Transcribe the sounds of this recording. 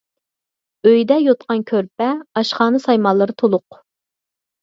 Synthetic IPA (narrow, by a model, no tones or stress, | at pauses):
øjd̪ɛjot̪̚qɑnkʲʰøɾp̚ɛɑʃχɑːnɨsɑjmɑlˠːɨɾɨt̪ʰolˠʊq